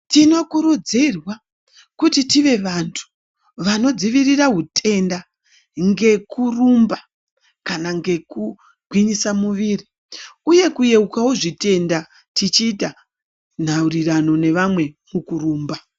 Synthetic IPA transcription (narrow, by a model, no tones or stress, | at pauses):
tino̞kuɾud͡zirwa | kutitiʋe̞ʋantʰu̥ | ʋano̞d͡ziʋiriraɦutʰe̞nda | ŋɡe̞kurumba | kanaŋɡe̞ku | ɡʱwiɲisamuʋiri | uje̞kuje̞ukauʐite̞nda | tit͡ʃiːta | n̤aurirano̞ne̞ʋamwe̞mukuruːmba